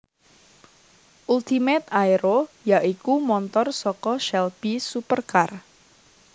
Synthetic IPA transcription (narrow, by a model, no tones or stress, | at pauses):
ʔult̪imɛt̪̚ajɾojaʔikumɔnt̪ɔrsɔkɔʃɛlb̥isupərkar